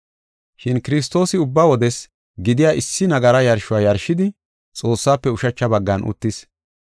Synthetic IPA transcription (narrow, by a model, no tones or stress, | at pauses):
ʃɪnkɪɾɪs̬t̪o̞ːsɪʊbːawɔd̪ɛs | ɡɪd̪ɪjaːʔɪsːɪnɐɡɐɾɐjɐɾʃʊwaːjɐɾʃɪd̪ɪ | t͡sʼo̞ːsːaːpːɛʊʃɐt͡ʃːɐbɐɡːɐnʔʊ̰t̪ːɪs